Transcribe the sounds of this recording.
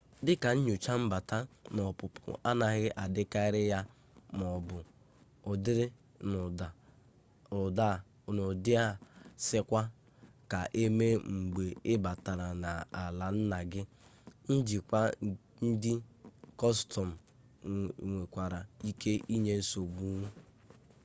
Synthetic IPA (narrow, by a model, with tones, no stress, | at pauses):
dɪ˦ka˨ɲ̩˦ɲu˨t͡ʃa˦m̩˦ba˨ta˦nɔ˨pʊ˨pʊ̰˦˨ʔa˦na˨ɣɪ˦ʔa˨dɪ˦ka˦ɪ˦ɾɪ˦ja˦ | mɔ˨bʊ˨ | ʊ˨dɪ˦ɾɪ˦ | ʊ˨a˨ | ʊ˨da˦˨nʊ˨dɪ˦a˦˨sɪ˦kʷa˦ | ka˨ʔe˦me˦ŋ͡m̩˨ɡ͡be˨ɪ˦ba˨ta˨ɾa˨na˨a˨la˨n̩˦na˨ɡɪ˦ | n̩˦d͡ʒi˨kʷa˦ | n̩˦dɪ˦kɔ˦stɔ˨m̩˨ | ŋʷe˨kʷa˨ɾa˨i˦kʰe˦ʔi˦ɲe˦so˨ɡ͡bu˦ŋʷu˦